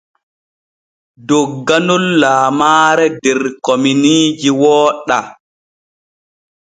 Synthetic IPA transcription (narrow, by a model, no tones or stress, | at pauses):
dɔɡːanulːaːmaːɾɛdɛɾkominiːd͡ʒiwɔːɗa